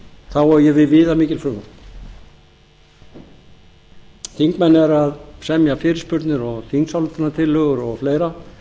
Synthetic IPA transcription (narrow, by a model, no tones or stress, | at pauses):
θawɔjɛvɪðvɪːðamɪːcɪlfɾʏːmʏ̥ | θiŋkmɛnːɛɾaðsɛmjafɪːɾɪspʏɾt̪nɪɾɔɣθiŋksawlt̪aɾnat̪ʰɪlːœːɣʏɾɔɣfleːjɾa